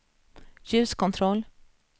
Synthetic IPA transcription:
çʉːskʊnt̪ʰɾɔl

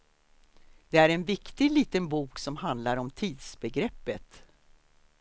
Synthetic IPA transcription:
d̪ɛæɾɛnvɪkt̪ɪliːt̪ənbuːksɔmɦand̪laɾɔmt̪ʰiːd̪sbɛɡɾɛpːət̪

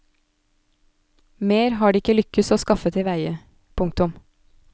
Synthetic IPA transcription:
meːɾhɑːɖiːɪkəlʏkəsoːskɑfət̪ʰɪʋæɪə | pʰʊŋkt̪ʊm

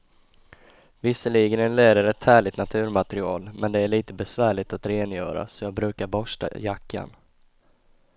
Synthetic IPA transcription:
vɪsəɭiːɡənɛnleːd̪əɾɛt̪ʰhæːɭɪt̪nat̪ʰʉ̟ːɾmat̪ɛɾɪɑ̰ːlmɛnd̪ɛæɭiːt̪əbɛsvæːɭɪt̪at̪ɾeːnjœːɾa̰sɔjɑːɡbɾʉ̟ːkaɾbɔʂʈa̰jakʰːa̰n

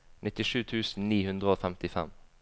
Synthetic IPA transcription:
nʔɪt̪ɪʂʉːt̪ʰʉːsn̩niːhʉnd̪ʁəoːfɛmt̪ɪfɛ̰m

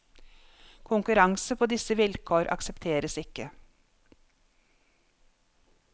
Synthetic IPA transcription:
kʰʊŋkʉɾɑŋsəpʰoːd̪ɪsəʋɪlkʰoːɾʔɑ̰ksɛpt̪ʰeːɾəsɪkə

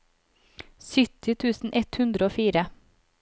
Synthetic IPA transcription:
sʏt̪ɪt̪ʰʉːsn̩ʔɛt̪hʉnd̪ɾəoːfiːɾə

